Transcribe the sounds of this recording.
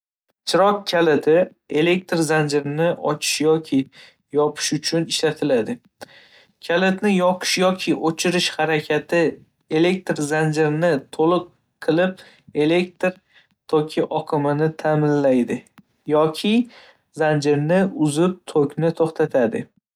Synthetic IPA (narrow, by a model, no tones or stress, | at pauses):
t͡ʃʰɪɾɒkkʲʰːalɪt̪ʰɪ | e̞le̞k̚t̪ɾzand͡ʒɪɾɪnɪʔɒt͡ʃʰɪ̥ʃjɒkʲʰɪ | jɒpʰɪ̥ʃʊt͡ʃʰʊnɪʃlat̪ʰɪlad̪ɪ | kʲʰalɪt̪nɪjɒqʰɨ̥ʃjɒkʲʰɪʔot͡ʃʰɪɾɪʃhaɾakʲʰat̪ʰɪ | e̞le̞k̚t̪ɾzand͡ʒɪɾɪnɪt̪ʰolˠɨqʰː | ɨlˠɪp̚ | e̞le̞k̚t̪ɾ | t̪ʰokʲʰɪʔɒqʰɨmɪnɪt̪ʰamɪnlajd̪ɪ | jɒkʲʰɪ | zand͡ʒɪɾnɪʊzɪp̚t̪ʰokʲnɪt̪ʰoχt̪ʰat̪ʰad̪ɪ